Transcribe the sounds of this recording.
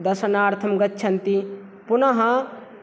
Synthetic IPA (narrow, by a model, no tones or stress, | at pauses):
d̪ɐsɐnaːɾt̪ʰɐmɡɐtːt͡ʃʰɐnt̪i | punɐɦɐ̃